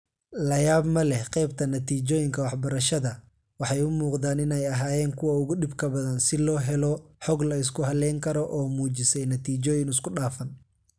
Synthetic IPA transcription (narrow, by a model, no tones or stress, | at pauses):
lɐjaːbmɐlɛhqɛjbt̪ʰɐnɐt̪ʰiːt͡ʃɔːjɪŋkʰɐwɑħbɐɾɐʃɐðɐ | wɑħɑjʊmuːqd̪aːnɪnɛjɐɦaːjɛːŋkʰʊwɐʊɣʊɗɪbkʰɐbɐðɐnsɪlɔːɦɛlɔħɔɡlɐɪs̬kʰʊɦɐlɛŋkʰɐɾɔʔɔːmuːt͡ʃɪsɛjnɐt̪ʰiːt͡ʃɔːjɪnɪskʰʊɗaːfɐn